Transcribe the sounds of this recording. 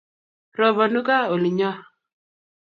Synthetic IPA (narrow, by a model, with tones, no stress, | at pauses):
ɾɔ˨βɔ˨nu˦ka˦o˨li˨ɲɔ˦